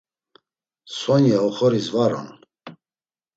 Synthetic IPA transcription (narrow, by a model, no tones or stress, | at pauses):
sɔnjaɔχɔɾizvaɾɔ̰n